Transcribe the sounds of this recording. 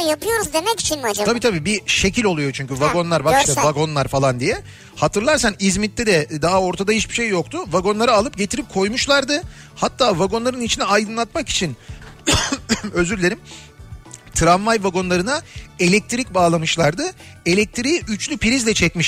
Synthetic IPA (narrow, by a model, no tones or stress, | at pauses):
japʰɯjo̞ɾuzd̪emɛɟi̥t͡ʃʰinimad͡ʒaabiːt̪ʰabiːbiʃe̞cʰilʲo̞lˠujo̞t͡ʃʰyɲcyvaɡo̞nlˠaɾbakʃt̪ɛvaɡo̞nlˠaɾfalˠand̪ijɛ | hat̪ʰɯɾlˠaɾsanizmit̪ːʲɛd̪ɛd̪aɦao̞ɾt̪ʰad̪ajit͡ʃbiʃejːokt̪ʰʊvaɡo̞nlˠaɾaːlˠɯp̚ɟe̞t̪ʰiɾip̚kʰo̞jmuʃlˠaɾd̪ɯ | hat̪ʰːaːvaɡo̞nlˠaɾɯnit͡ʃʰinɛajd̪ɯnlˠat̪maki̥t͡ʃʰin | ø̞zyɾlʲe̞ɾim | t̪ʰɾanvajvaɡo̞nlˠaɾɯnae̞lʲɛc̚t̪ʰɾic̚baːlˠamɯʃlˠaɾd̪ɯ | e̞lʲɛc̚t̪ʰɾiiyt͡ʃlʲypʰiɾizlʲɛt͡ʃʰɛcmiʃ